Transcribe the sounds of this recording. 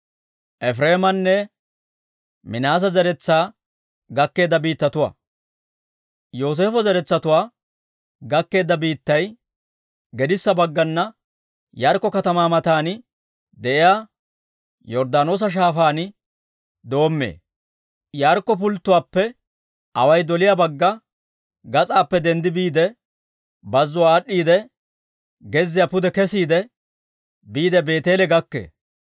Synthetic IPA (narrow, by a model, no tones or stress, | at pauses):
ʔɛfɾeːmɐnːɛ | mɪnaːs̬ɐzɛɾɛt͡sːaː | ɡɐkːe̞ːd̪ːɐbiːt̪ːɐt̪ʊwa̰ː | jo̞ːs̬e̞ːfɔzɛɾɛt͡sːɐt̪ʊwaː | ɡɐkːe̞ːd̪ːɐbiːt̪ːɐj | ɡɛd̪ɪsːɐbɐɡːɐnːɐ | jaːɾkːɔkɐt̪ɐmaːmɐt̪aːnɪ | d̪ɛʔɪjaː | jɔɾd̪aːno̞ːs̬ɐʃ̬aːfaːnɪ | d̪o̞ːmːḛː | jaːɾkːɔp̬ʊlt̪ːʊwaːpːɛ | ɐwɐjd̪ɔlɪjabɐɡːɐ | ɡɐt͡sʼaːpːɛd̪ɛnd̪ɪbiːd̪ɛ | bɐzːʊwaːɗːiːd̪ɛ | ɡɛzːɪjapʊd̪ɛkɛsiːd̪ɛ | biːd̪ɛbe̞ːt̪e̞ːlɛɡɐkːḛː